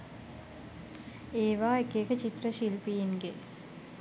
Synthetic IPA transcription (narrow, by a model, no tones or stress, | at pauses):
eːʋaːekekət͡ʃit̪rəʃilpijiŋɡe